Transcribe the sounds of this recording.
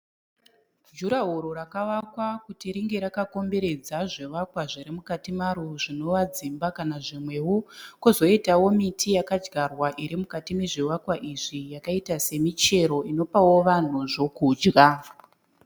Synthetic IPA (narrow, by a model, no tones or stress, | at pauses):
d͡ʒuɾaɦoɾoɾakaʋakwakutiɾiŋɡe̞ɾakako̞mbe̞ɾe̞d͡zaʐeʋakwaʐiɾimukatimaɾuʐino̞ʋad͡zimbakanaʐimwe̞wokozo̞itawo̞mitʰijakad͡ʒɡarwaʔiɾimukatime̞ʐiwakwaʔiʐijakaitase̞mit͡ʃe̞ɾo̞ino̞pawo̞ʋan̤uʐo̞kuːd͡ʒɣa